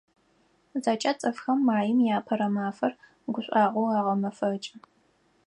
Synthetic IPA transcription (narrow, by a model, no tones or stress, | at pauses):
zaːt͡ʃʼɐt͡sʼɐfxɐmːaːjɪmjaːpʰɐɾɐmaːfɐr | ɡʷʊɕʷʼɑːʁʷowɑːʁɐmɐfɐt͡ʃʼɪ